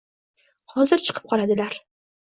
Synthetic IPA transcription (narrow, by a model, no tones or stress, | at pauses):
hɒzɪɾt͡ʃʰɨ̥qʰɨ̥p̚qʰɒlad̪ɪlaɾ